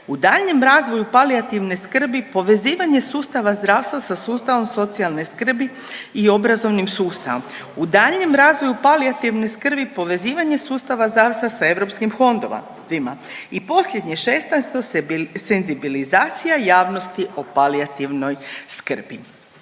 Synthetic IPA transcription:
ud̪aːʎɲe̞mɾaːzʋojupaliat̪iʋneskr̩bipo̞ʋe̞ziːʋaɲe̞suːst̪aʋazd̪ɾaːʋst̪ʋasasuːst̪aʋomso̞t̪sialˠne̞skr̩bi | io̞bɾazo̞ʋnimsuːst̪aʋom | ud̪aːʎɲe̞mɾaːzʋo̞jupaliat̪iʋnejskr̩bipo̞ʋe̞ziːʋaɲe̞suːst̪aʋazd̪ɾaːʋst̪ʋasae̞ʋɾo̞pskimfo̞nd̪o̰ʋ̰ | ima | ipo̞sʎʲe̞d̪ɲe̞ʃe̞ːst̪najst̪o̞sse̞nzibilizaːt̪sijajaːʋno̞st̪iʔo̞paliat̪iʋno̞jskr̩bi

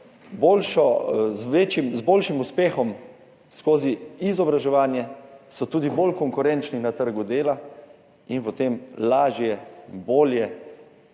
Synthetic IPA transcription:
boːlʃɔʋeːt͡ʃjimzboːlʃimuspeːxɔm | skoːziizɔbɾaʒɛʋaːnjɛsɔt̪uːd̪iboːlkɔŋkʊɾɛnt͡ʃninat̪əɾɡud̪eːla | inpɔt̪emlaːʒjɛboːljɛ

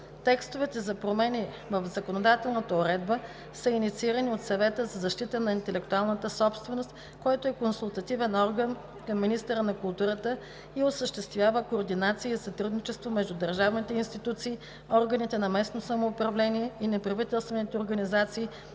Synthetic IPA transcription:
t̪ɛkst̪ovɛt̪ɛzɐpɾomɛni | vəvzɐkonod̪at̪ɛlˠnət̪əoɾɛd̪̚bə | səinit̪siiɾəniot̪sɐvɛt̪əzɐzɐʃt̪it̪ənɐint̪ɛlɛkt̪ualˠnət̪əsɔpst̪vɛnost̪ | kɔjt̪oɛkonsʊlˠt̪ɐt̪ivɛnɔɾɡən | kəmːinist̪ɛɾənɐkʊlˠt̪uɾət̪ə | iosəʃt̪ɛst̪vʲjavəkoːɾd̪inat̪siiisɐt̪ɾud̪nit͡ʃɛst̪vomɛʒd̪ud̪əɾʒavnit̪ɛinst̪it̪ut̪siː | ɔɾɡənit̪ɛnɐmɛsnosɐmoːpɾɐvlɛniɛinɛpɾɐvit̪ɛlˠst̪vɛnit̪ɛoɾɡɐnizat̪siː

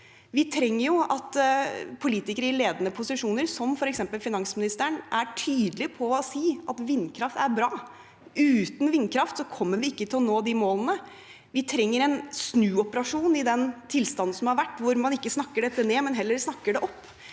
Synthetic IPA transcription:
ʋɪt̪ʰɾɛŋːəɾjʊɑt̪pʰʊliːt̪ɪkəɾəɪleːd̪ənəpʰʊsɪʂuːnəɾsɔmfɔɾɛksɛmpəlfɪnɑŋsmɪnɪst̪æːɳʔæʈʰyːd̪lɪpʰɔɔsiːɑt̪ʋɪnːkʰɾɑft̪æɾbɾɑː | ʉːt̪n̩ʋɪnːkʰɾɑft̪sɔkʰɔmːəɾʋɪɪkːət̪ʰɪlɔnoːd̪imoːlənə | ʋɪt̪ʰɾɛŋːəɾɛnsnʉːɔpəɾɑʂuːnɪd̪ɛnt̪ʰɪlst̪ɑnːn̩sɔmhɑɾʋæʈːʋʊɾmɑnɪkːəsnɑkːəɖɛt̪ːəneːmɛnɦɛlːəɾsnɑkːəɖɛʔɔpː

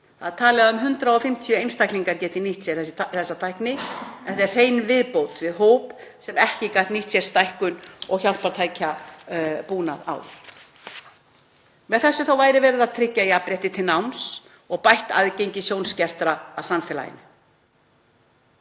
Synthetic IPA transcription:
θaðt̪ʰaːlɛɣaʏmɦʏnt̪ɾaɔfɪmt̪ʰjœejnst̪ajkliŋkaɾcɛːt̪ɪniht̪sjɛθɛsθɛsːat̪ʰajhknɪɛθɛt̪aɛr̥r̥eːjnvɪðpowt̪vɪðɦowpsɛmɛhcɪkaːt̪niht̪sjɛɾ̥st̪ajhkʏnɔɣçawl̥paɾt̪ʰajca | puːnaða̰w | vɛðθɛsːʏθawvaːjɾɪvɛːɾɪðaðt̪ʰɾɪcːaiapɾjɛht̪ɪt̪ʰɪlnawns | ɔɣpajht̪a̰ðcejɲcɪsjownscɛr̥t̪ɾaːsamfɛːla̰jɪ̰nʏ

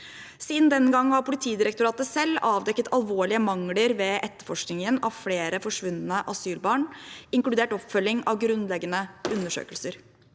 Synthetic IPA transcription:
siːd̪nd̪ɛnɡɑŋːhɑɾpʰʊlɪt̪ʰiːd̪ɪɾək̚t̪ʊɾɑːt̪əsɛlːɑːʋd̪ɛkːət̪ʰɑlʋoːɭɪəmɑŋləɾʋeːʔɛt̪ːəfɔʂknɪŋənɑ̰ʋfleːɾəfɔʂʋʉnːənəʔɑsyːlbɑːɳɪŋklʉd̪eːʈɔpfœlːɪŋɑʋɡɾʉnlɛɡənəʉnəʂø̰ːkəlsəɾ

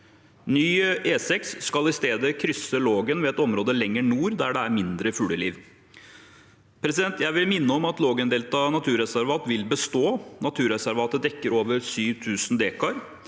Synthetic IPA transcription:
nyːʔeːsɛksːkɑlɪst̪eːd̪əkʰɾʏsːəloːɡənʋɛːɛt̪ɔmɾoːd̪əlɛŋːəɳuːɾd̪æɖɛæɾmɪnd̪ɾəfʉləliːʋ | pʰɾɛsɪd̪ɛnt̪jæɪʋɪlmɪnːəɔmɑt̪loːɡənd̪eːlt̪ɑnɑt̪ʰʉːɾɛsæɾʋɑːt̪ʋɪlbəst̪oːnɑt̪ʰʉːɾɛsæɾʋɑːt̪əd̪ɛkːəɾoːʋəɾsyːʋt̪ʰʉːsn̩d̪eːkɑɾ

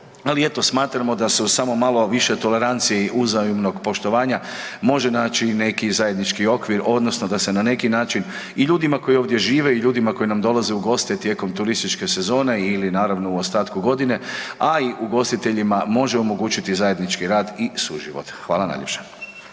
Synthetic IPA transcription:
alie̞t̪o̞smaːt̪ɾamo̞d̪asusamo̞malˠo̞ʋiʃe̞t̪o̞le̞ɾant̪sijeiʔuzajumno̞ɡpo̞ʃt̪o̞ʋaːɲa | mo̞ʒe̞naːt͡ʃine̞kizajed̪nit͡ʃkio̞kʋiɾo̞d̪no̞sno̞d̪ase̞nane̞kinaːt͡ʃin | iʎuːd̪imako̞io̞ːʋd̪je̞ʒiːʋe̞iʎuːd̪imako̞inamd̪o̞laze̞uɡo̞st̪et̪je̞ko̞mt̪uɾist̪it͡ʃke̞se̞zo̞ːne̞ilinaːɾaʋno̞uost̪aːt̪kuɡo̞d̪ine̞aiʔuɡo̞st̪it̪e̞ʎimamo̞ʒeo̞mo̞ɡuːt͡ɕit̪izaje̞d̪nit͡ʃkiɾaːd̪isuʒiʋo̰t̪xʋa̰ːlˠana̰ʎʲepʃe

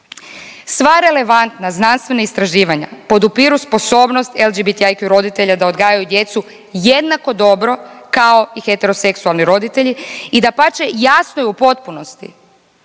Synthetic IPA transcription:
sʋaɾe̞le̞ʋant̪naznanst̪ʋe̞naist̪ɾaʒiːʋaɲapo̞d̪upiɾuspo̞so̞ːbno̞st̪eld͡ʒibit̪iajkuɾo̞d̪it̪e̞ʎad̪ao̞d̪ɡaːjajud̪je̞t̪su | je̞d̪nako̞d̪o̞bɾo̞kaoixe̞t̪e̞ɾo̞se̞ksualˠniɾo̞d̪it̪e̞ʎiid̪apat͡ʃejasnojɛupo̞t̪puno̞st̪ḭ

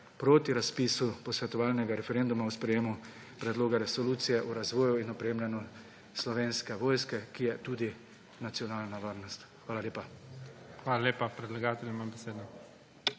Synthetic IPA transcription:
pɾoːt̪iɾaspiːsupɔsʋɛt̪ɔʋaːlnɛɡaɾɛfɛɾeːnd̪umauspɾɛjeːmu | pɾɛd̪loːɡaɾɛsɔluːt̪sijɛʔuɾazʋɔːjuinɔpɾeːmljanɔ | slɔʋeːnskɛʋɔːjskɛkijɛt̪uːd̪i | nat̪sijɔnaːlnaʋaːɾnɔst̪xʋaːlaleːpa | xʋaːlaleːpapɾɛd̪laɡaːt̪ɛljɛimambɛseːd̪ɔ

